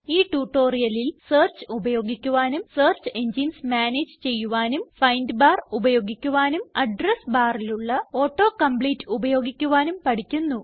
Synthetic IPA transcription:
iːʈuːʈːo̞ːrijɐlilseːrt͡ɕɨubɐjo̞ːɡikʲːuʋaːnumseːrt͡ɕɨe̞ɲd͡ʑinsmjaːneːd͡ʑɨt͡ɕe̞jːuʋaːnumfɐjndɨbaːrubɐjo̞ːɡikʲːuʋaːnumɐɖrɐsbaːriluɭːɐo̞ːʈːo̞ːkɐmbɭiːtːɨubɐjo̞ːɡikʲːuʋaːnumpɐʈikʲːunːu

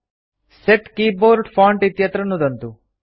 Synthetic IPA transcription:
seʈkiːboːɾɖpʰaːɳʈit̪jɐt̪ɾɐnːud̪ɐnt̪u

